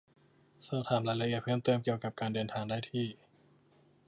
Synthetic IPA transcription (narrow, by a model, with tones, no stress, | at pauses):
saː˧˩t̪ʰaː˩˦mlaː˧˦la˧ʔi˨˩ət̪̚pʰɤː˥˩mt̪ɤː˧mki˨˩əwka˨˩p̚kaː˧ndɤː˧nt̪ʰaː˧ŋdaː˥˩jt̪ʰiː˥˩